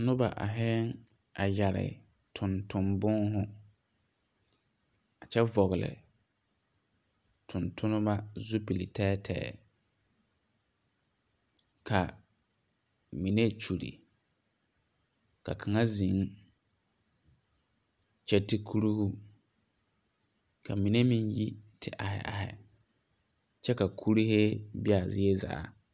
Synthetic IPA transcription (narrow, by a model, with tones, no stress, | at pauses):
nʊ˦ba˨ʔa̰˨ɦɛ˦ŋ | a˨ja˨ɾɪ̰˨ | tʰʊ̃˨ntʊ˨mbʊ˦ŋɦʊ˦ | a˨t͡ʃɛ˦vɔ˨ɣɪ˨lɪ̰˨ | tʰʊ̃˨ntʰʊ˦nʊ˦ma˦zu˦pi˨li˨tʰɛː˦tʰɛ̰ː˦˨˦ | kʰa˨ | mi˨ne˦t͡ʃu˨ɾḭ˨ | ka̰˨kʰa˨ŋa˦zi˨˦ŋ˦ | t͡ʃɛ˦ti˨kʰu˦ɾu˦hu˦ | kʰa˨mi˨ne˦mĩ˦nji˦tʰɪ˨ʔa˨hɛ̰˨ʔa̰˨hɛ̰˨ | t͡ʃɛ˦ka˨kʰu˦ɾi˦he˦bɪ˦a˨zɪ˦e˦za̰ː˨˦